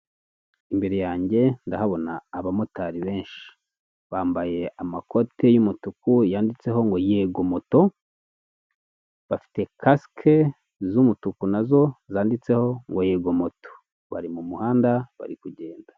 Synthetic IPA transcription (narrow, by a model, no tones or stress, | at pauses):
imbe̞ɾejaːɲɟe̞ndahaβo̞naːβamotaɾiβe̞ːnʃi̥ | βaːmbaje̞amako̞te̞jumutukujaːndit͡se̞ho̞ŋɡo̞jeɡo̞moto̞ | βafi̥te̞kʰaskʰe | zumutukunazo̞zaːndit͡se̞ho̞ŋɡo̞jeːɡo̞mo̞to̥ | βa̰ɾimumuhaːndaβa̰ɾikuɟe̞ːnda